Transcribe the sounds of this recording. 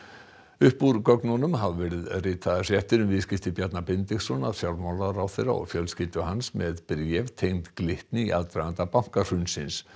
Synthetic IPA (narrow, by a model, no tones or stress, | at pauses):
ʏhpuɾkœknɔnʏmɦavvɛɾɪðrɪːt̪ʰaðasjɛht̪ɪɾʏmvɪscɪft̪ɪpjɛt̪napɪnt̪ɪxsɔnaðsjawlmawlaɾawθejra̰ɔ̰ɣfjœlscɪlt̪ʏhansmɛðpɾjɛvt̪ʰejnt̪klɪht̪nɪiʔaðt̪ɾaɣant̪apaŋ̥kar̥ʏnsɪns